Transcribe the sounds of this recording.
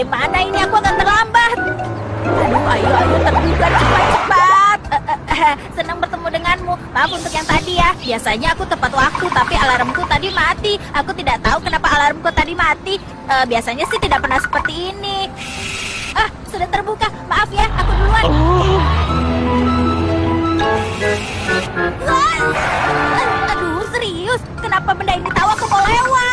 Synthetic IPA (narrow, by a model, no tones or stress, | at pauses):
emanainiakuakant̪ərlambat̪̚ | ajuajoajɔt̪ərbukanakuajt̪əpat̪̚əsənəŋbərt̪əmudəŋanmumaʔafunt̪ʊkjaŋt̪adijahbiasaɲaːkut̪əpat̪wak̚t̪ut̪apialaɾəmkut̪adimat̪iakut̪idaʔt̪aukənapaːlaɾəmkut̪adimat̪i | ʔəːbiasaɲasɪht̪idaʔpərnahsə̥pərt̪iːni | ahsudaht̪ərbukamaʔafjahakudulua | la | laladusɾiʊs | kənapaməndainit̪auakumolewa